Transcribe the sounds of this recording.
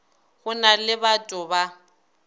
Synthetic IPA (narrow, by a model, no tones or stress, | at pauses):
ɣʊnalɪbatʼʊba